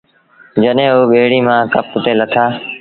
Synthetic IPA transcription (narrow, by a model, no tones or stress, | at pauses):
d͡ʒəɗɦẽːɦuːɓeːɽiːmãːkəpʊt̪eːlət̪ʰaː